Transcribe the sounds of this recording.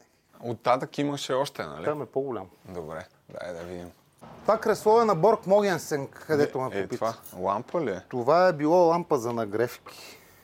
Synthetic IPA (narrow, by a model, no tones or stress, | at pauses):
ot̪ːat̪əkimɐʃɛɔʃt̪ɛnɐ̰lʲiamɛpoɡʊlʲamd̪obɾɛ | d̪a̰ɛ̰d̪ɐvid̪im | t̪akɾɛslˠɔvɛnɐbɔɾkmɔɡʲɛnsɛŋkːɐd̪ɛt̪omɛopit̪valˠa̰mpəliɛt̪ovaɛbilˠɔlˠampɐzɐnɐɡɾɛfkʲi̥